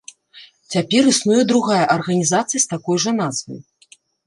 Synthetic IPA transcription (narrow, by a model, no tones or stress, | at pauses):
t͡sʲapʲɛɾɨsnujɛd̪ɾuɣajɐʔɐrɣɐnʲizat̪sɨjɐst̪akɔjʐɐnazvɐ̰j